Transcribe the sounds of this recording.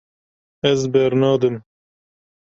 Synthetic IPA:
ɛzbɛɾnɑːd̪ɨm

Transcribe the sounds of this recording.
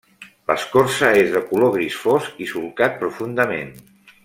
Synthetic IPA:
lə̰skoɾsəezðəkuloɣ̞ɾisfozisulkat̪̚pɾufund̪əmḛn

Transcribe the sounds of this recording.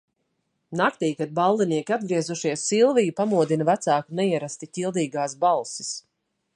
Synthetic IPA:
nakt̪iːkat̪̚balˠd̪iniɛkʲiad̪̚ɡɾiɛzuʃiɛsːilˠvijupamuɔd̪invæt̪saːkunɛiɛɾast̪icʲilˠd̪iːɡaːsbalˠsi̥s

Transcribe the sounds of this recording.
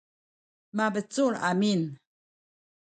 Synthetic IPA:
mabət͡suɭamin

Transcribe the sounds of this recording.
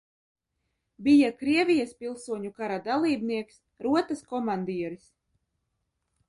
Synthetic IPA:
bijakɾiɛvʲijaspʲilˠsuɔɲukaɾad̪alˠiːbniɛks | ɾuɔt̪askɔmand̪iɛɾis

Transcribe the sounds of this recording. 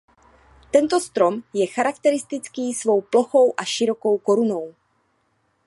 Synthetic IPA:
t̪ɛnt̪o̞st̪ɾo̞mjɛxaɾakt̪ɛɾɪst̪ɪt͡skiːsvo̞wplo̞xo̞wʔaʃɪɾo̞ko̞wko̞ɾuno̞w

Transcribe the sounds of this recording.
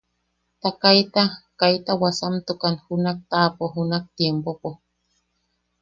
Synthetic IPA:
t̪akajt̪akajt̪awasamt̪ukanxunak̚t̪apoɦunak̚t̪jempopo

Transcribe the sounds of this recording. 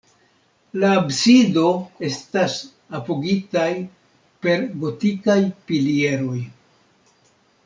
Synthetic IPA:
laːbsido̞e̞stas | apo̞ɡitaj | pe̞ɾɡo̞tikajpilie̞ɾo̞j

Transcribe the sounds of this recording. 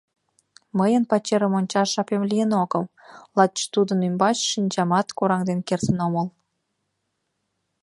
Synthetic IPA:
məjə̆npɑt͡ɕeɾə̆monʲt͡ɕɑʒɑpemlʲijənoɡɤ̆wlˠɑt̪̚t͡ɕt̪ud̪ə̆nymbɑt͡ɕʃinʲd͡ʑɑmɑt̪koɾɑŋd̪enkerzə̆nomɤ̆lˠ

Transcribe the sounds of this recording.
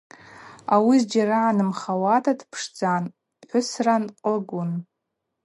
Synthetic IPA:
awizd͡ʒaɾaʕanɨmχawatʰatʰpʰʂd͡zan | ħʷʊsranqʼəɡʷʊn

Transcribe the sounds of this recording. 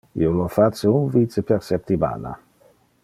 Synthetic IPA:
ḭolofat͡səunvit͡səpeɾsɛp̚t̪iba̰la̰

